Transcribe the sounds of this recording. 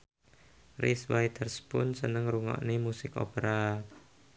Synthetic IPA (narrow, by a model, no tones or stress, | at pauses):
risbajt̪ʰərspʊnsənəŋruŋɔ̰ʔnemusɪko̰pəɾa